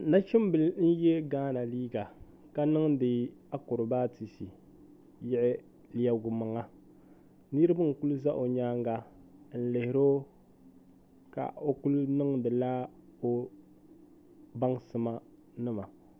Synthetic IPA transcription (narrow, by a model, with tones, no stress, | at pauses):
na˦t͡ʃɪ˦m˦bɨ˨ln̩˦jɛ˦ɡaː˦na˨liː˦ɡa˨ | ka˨˦nɨ˦ŋdɨ˨a˦ko˨ɾʊ˨baː˦ti˨si˨ | jɪ˦ʔɪ˦ | li˨a˨ɡu˨ma˨ŋa˦ | nɨ˦ɾɨ˦ba˦ŋ˨ku˦lu˦za˦ʔo˨ɲaː˦ŋ˦ɡa˦n̩˦lɪ˨hɪ˨ɾo˦ | ka̰˨o˦ku˦lnɨ˦ŋdɨ˨laː˦o˦ | ba˦ŋsɨ˨ma˦ | nɨ˦ma˨